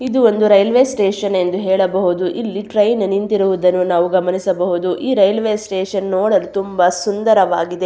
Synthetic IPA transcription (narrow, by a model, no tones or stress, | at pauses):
id̪uo̞nd̪uɾɐjɐlʋeːsʈeːʂɐne̞nd̪uɦɛːɭɐbɐɦud̪uʔilːiʈɾɐjnnint̪iɾuʋud̪ɐnːunaːʋuɡɐmɐnisɐbɐɦud̪uʔiːɾɐjɐlʋeːsʈeːʃɐnːoːɽɐlut̪umbɐsund̪ɐɾɐʋaːɡid̪e̞